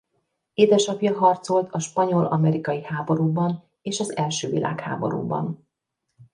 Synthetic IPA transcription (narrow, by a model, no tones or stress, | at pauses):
eːd̪ɛʃɒpjɒɦɒrt̪so̞lt̪ʰɒʃpɒɲo̞lʔɒmɛɾikɒjihaːbo̞ɾuːbɒn | eːʃɒzɛlʃøːvḭlʔa̰ːkha̰ːbo̞̰ɾṵːbɒ̰n